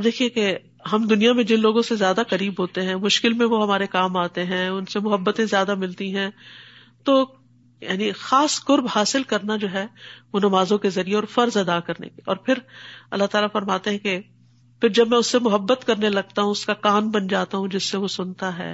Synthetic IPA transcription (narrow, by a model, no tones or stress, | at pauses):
ɐbd̪eːkʰieke | ɦɐmd̪ʊnijamẽd͡ʒɪ̃nloːɡõsezjaːd̪akɐɾiːbɦoːt̪eɦɛ̃mʊʃkɪlmẽʋoɦɐmaːɾekaːmaːt̪eɦɛ̃ʊnsemʊɦəbːət̪ẽzjaːd̪amɪlt̪iɦɛ̃ː | t̪o | jaːnixaːskʊɾbhaːsɪlkɐɾnad͡ʒoːɦɛʋonɐmaːzõkezɐɾieɔːɾfɐɾzɐd̪akɐɾnḛke̥ɔ̰ːɾpʰɪɾɐ̰lːaɦt̪aːlafɐɾmaːt̪eɦɛ̃ke | pʰɪɾd͡ʒɐbmɛ̃ʊsːemʊɦəbːət̪kɐɾnelɐɡ̚t̪aɦũʊskakaːnbɐnd͡ʒaːt̪aɦũd͡ʒɪsːeʋosʊnt̪aɦɛ̰ː